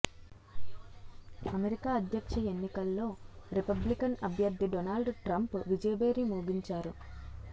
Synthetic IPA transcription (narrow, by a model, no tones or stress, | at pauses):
ɐmeɾikaːɐd̪ʱjɐkʂɐe̞nːikɐlːo̞ːɾipɐblikɐnɐbʱjɐɾd̪ʱːiɖonaːlɖʈɾɐmpʋid͡ʒɐjɐbeːɾimuːɡiɲt͡ʃaːɾu